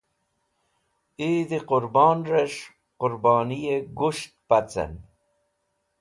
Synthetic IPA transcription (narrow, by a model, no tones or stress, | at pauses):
id̪iqʊɾbɑːnɾeʂ | qʊɾbɑːnijeɡuʂt̪̚pat͡sɐ̰n